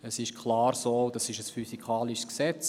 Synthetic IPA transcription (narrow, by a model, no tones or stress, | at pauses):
əsɪʃkʰlɑːɾsoːdɑsɪʃəsfysikʰɑːliʃsksɛt͡s